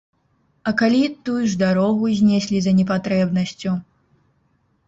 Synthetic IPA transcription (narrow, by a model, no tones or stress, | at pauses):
ɐkalʲit̪ujuʐd̪aɾɔɣuzʲnʲɛsʲlʲizɐnʲɛp̬at̪ɾɛbnɐsʲt͡sʲu